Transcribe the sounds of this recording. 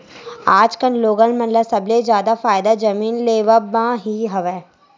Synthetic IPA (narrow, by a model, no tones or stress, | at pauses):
aːd͡ʒkənloːɡəlmənləsɐblezjaːd̪afaːɪd̪ad͡ʒəmiːnleːʋəbãːɦiɦɐʋɛː